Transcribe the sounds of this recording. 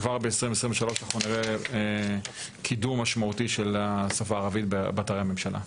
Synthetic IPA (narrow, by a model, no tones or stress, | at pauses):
vaʁbeesʁĩvesʁimveʃalo̞ʃaχuniʁee | kʰidumːaʃmaut̪iʃelasafaːʁavit̪bbat̪aʁehamemʃalʔa̰